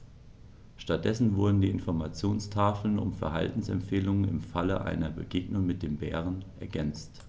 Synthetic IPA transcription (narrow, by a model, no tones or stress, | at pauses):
ʃtat̚d̥ɛsn̩vʊɐdn̩diːɪnfɔɐmat͡sjoːnstʰaːfl̩nʊ̰mfɛɐɦa̰ltn̩sɛ̰mpfeːlʊŋənɪ̰mfaləʔa̰ɪnɐbəɡeːɡnʊŋmɪt̚d̥eːmbɛːʁ̞ənʔɛɐɡɛnt͡st